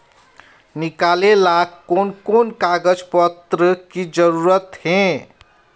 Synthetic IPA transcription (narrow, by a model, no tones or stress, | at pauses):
nikalelakːonkonkaɡəd͡ʒpət̪ɾəkid͡ʒəɾuɾət̪ɦẽ